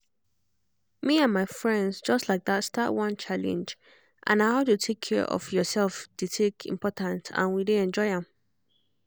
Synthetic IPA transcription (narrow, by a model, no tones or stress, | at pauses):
miãnmaɪfɹɛ̃ndzd͡ʒʌstlaɪk̚ðatstʰaʔwʌ̃nt͡ʃʰalɛ̰̃nd͡ʒ | ʔã̰nahaʊjutʰekʰːɛ̰ɹʔɔ̰fjɔsɛlfd̥etʰekʰḭ̃mpʰɔtãntã̰nwideɛ̃nd͡ʒɔɪãm